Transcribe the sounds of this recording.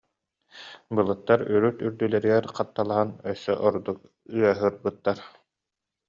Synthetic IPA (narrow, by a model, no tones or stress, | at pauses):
bɯlˠɯt̪ːaɾyɾyt̪yɾd̪ylɛɾiɡɛɾqat̪ːalˠaɦanœsːœʔɔɾd̪uk̚ | yœɦɯɾbɯt̪ːaɾ